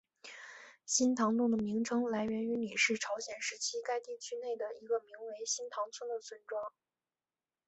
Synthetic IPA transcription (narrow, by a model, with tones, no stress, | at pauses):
ɕi˥nt̪ʰɑ˧˥ŋt̪ʊ˥˩ŋd̪ə˩mi˧˥ŋʈ͡ʂʰɤ˥ŋla˧˥ɪɥɛ˧˥ny˧˥ni˨˩ʂɻ̩˥˩ʈ͡ʂʰɑ˧˥ʊɕjɛ˨˩nʂɻ̩˧˥t͡ɕʰi˥ka˥ɪt̪i˥˩t͡ɕʰy˥ne˥˩ɪd̪ə˩i˧˥ɡə˧mi˧˥ŋwe˧˥ɪɕi˥nt̪ʰɑ˧˥ŋt͡sʰwə˥nd̪ə˨sʰwə˥˩nʈ͡ʂwɑ˥ŋ